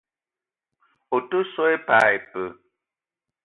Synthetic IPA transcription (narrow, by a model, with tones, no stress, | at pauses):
o˨tə˦sɔ˦e˦pa˨e˨pə˨